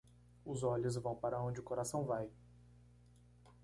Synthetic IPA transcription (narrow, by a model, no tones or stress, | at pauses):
ʊzɔʎʊzvɐ̃w̃paɾɐõnd͡ʒɪʊkoɾasɐ̃w̃vaj